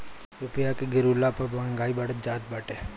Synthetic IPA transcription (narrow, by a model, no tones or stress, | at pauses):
ɾʊpɪjakeɡɪɾulapɐɾbãŋɡaːibɐɽət̪̚d͡ʒaːd̪̚baːʈeː